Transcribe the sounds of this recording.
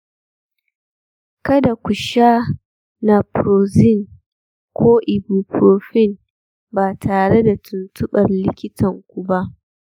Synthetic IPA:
kɐ˦da˨kʷʊ˨ʃaː˦ | na˨pɾoː˨zɪ˦˨n | kʷoː˦ʔɪ˨bu˨pɾoː˨ɸɪ˦˨n | baː˨tʰaː˨ɽe˦da˨tʰʊ˨ntʊ˦ɓɐ˨rlɪ˦kʲɪ˦tʰɐ˨ŋkʷu˨ba˦ʔ

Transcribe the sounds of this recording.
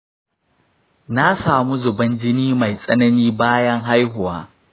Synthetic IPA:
na˦saː˨mu˦zʊ˨bɐ˦nd͡ʒɪ˦niː˦ma˨jsʼɐ˦nɐ˦niː˦baː˦jɐ˦ŋɦa˦jɦʊ˨wa̰ː˦

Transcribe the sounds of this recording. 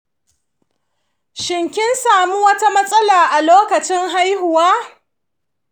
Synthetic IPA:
ʃɪ˨ŋkʲɪ˦nsaː˨mu˦wɐ˦ta˦mɐ˦sʼɐ˦laː˨ʔa˨loː˦kɐ˨t͡ʃɪ˦ŋɦa˦jhʊ˨waː˦

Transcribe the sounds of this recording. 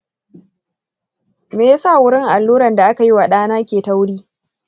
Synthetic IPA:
meː˨ja˦sa˦˨wʊ˦ɽɪ˦ŋʔa˨lːuː˦ɾɐ˨nda˨ʔa˦ka˨ji˦wa˨ɗaː˦naː˦kʲeː˨ta˦wʊ˦ɽiː˦

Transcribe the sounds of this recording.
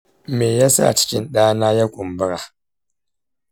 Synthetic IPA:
meː˨ja˦sa̰˦˨t͡ʃɪ̥˦kʲɪ˦nɗaː˦naː˦ja˦kʷʼʊ˨mbɨ˦ɾa˨

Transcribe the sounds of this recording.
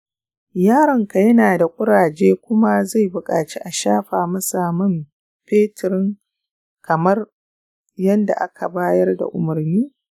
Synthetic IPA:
jaː˦ɾɐ˨ŋka˨jɐ˦naː˨da˨kʷʼʊ˦ɽaː˨d͡ʒeː˦kʷʊ˦ma˦za˦˨jbʊ˨kʼaː˨t͡ʃi˦ʔa˨ʃaː˦ɸaː˨mɐ˦saː˨mɐ˦m | ɸeː˦tɪ˨ɾɪ˦ŋ | kʰɐ˨mɐ˦r | jɐ˦nda̰˨ʔa˦kʰa˨baː˦jɐ˦rda̰˨ʔʊ˨mʊ˨rniː˦

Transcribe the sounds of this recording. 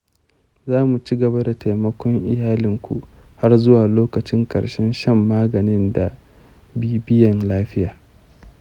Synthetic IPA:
zaː˦mu˨t͡ʃi˦ɡɐ˨ba˦da˨tʰa˨mɐ˦kʷɔ˦ŋʔɪ˨jaː˦lɪ˨ŋkʷṵ˨ | ha˦rzʊ˦waː˨loː˦kɐ˨t͡ʃɪ˦ŋkʼɐ̰˨ɽʃɛ˦nʃɐ˦mːaː˦ɡɐ˨nɪ˦nda˨ | biː˦bɪ˦jɐ˨nlaː˦ɸɪ˦jaː˨

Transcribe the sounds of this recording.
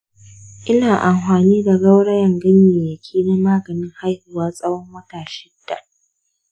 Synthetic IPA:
ʔɪ˦naː˨ʔa˨mɸaː˨niː˦da˨ɡɐ˦wɽɐ˦jɐ˨ŋɡɐ˦ɲjeː˨jɐ˨kʲʰiː˦na˦maː˦ɡɐ˨nɪ˦ŋha˦jhʊ˨waː˦sʼɐ˦wɔ˦mwɐ˦taː˨ʃɪ˦d̥ːa̰˨

